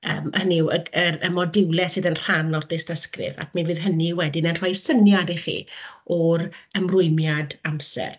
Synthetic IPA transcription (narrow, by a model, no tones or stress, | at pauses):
əːməhəniwəəɾəmɔdɪwlɛsɨːðənr̥anlɔrdɪstəskrɨ̰va̰kminvɨːðɦəniwɛdɪnənr̥ɔjsənjadiχḭːɔɾəmrʊɨmjadamsɛ̰r